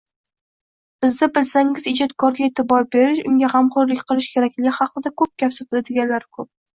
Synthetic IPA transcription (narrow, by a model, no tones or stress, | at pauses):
b̥ɪzd̪abɪlsaŋɪzɪd͡ʒɒt̪̚kʰɒɾɡʲaet̪ʰɪbɒɾbe̞ɾɪʃʊŋɡʲahamqɒɾlɪkʲqʰɨlˠɪʃkʲʰe̞ɾakʲlɪɡʲɪhɑqɨd̪akʰɵp̚kʲʰafsɪt̪ʰɪd̪ɪd̪eɡʲanlaɾkʰɵp̚